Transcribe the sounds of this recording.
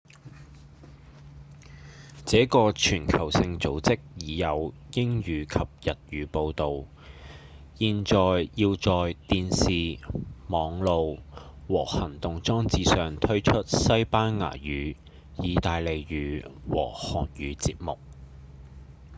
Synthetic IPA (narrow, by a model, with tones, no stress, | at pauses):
t͡sɛː˨˥kɔː˧t͡ʃʰyː˨˩nkʰɐ˨˩wsɪ˧ŋt͡so˨˥wt͡sɪ˥k̚jiː˨˧jɐ˨˧w | jɪ˥ŋjyː˨˧kʰɐ˨p̚jɐ˨t̚ɥyː˨˧po˧wt̪o˨w | jiː˨nt͡ʃɔː˨jjiː˧wt͡sɔː˨jt̪iː˧nsiː˨mɔː˨˧ŋlo˧wwɔː˨˩hɐ˨˩ŋt̪ʊ˨ŋt͡sɔː˥ŋt͡siː˨˧sœː˨ŋt̪ʰɵ˥ɥt͡ʃʰɵ˥t̚sɐ˥jpaː˥nŋa̰ː˨˩jyː˨˧ | jiː˨˧t̪aː˨˧jle˨˧jɥyː˨˥wɔ̰ː˨˩hɔ̰ː˨˩njyː˨˧t͡siː˧p̚mʊ̰˨k̚